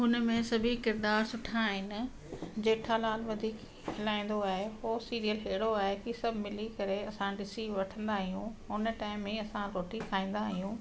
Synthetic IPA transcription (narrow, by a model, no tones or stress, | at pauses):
ɦʊnəmẽsɐbʱikɪɾd̪aːɾsʊʈʰaːɦɪnɪ̆ | d͡ʑeːʈʰalaːlʋɐd̪ʱiːk | ɦɪlaːĩːn̆d̪oaːɦeɦoːsiːɾijəlɦeːɪɽoaːɦekisɐbʱmɪlikɐɾeɐsãɖɪsiʋɐʈʰə̃nd̪aɦijũʊn̆ʈaːɪmːẽɐsãɾoːʈikʰaːĩːn̆d̪aɦijũː